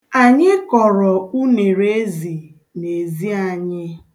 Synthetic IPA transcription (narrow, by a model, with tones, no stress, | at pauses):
a˨ɲɪ˦kɔ˨ɾɔ˨u˦ne˨ɾe˦zi˨ | ne˨zi˦a˨ɲɪ˦